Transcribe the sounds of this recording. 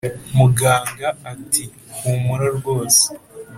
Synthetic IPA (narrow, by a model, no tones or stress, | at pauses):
muɡaːŋɡaːtʰi | humuɾaɾɡo̞ːse̥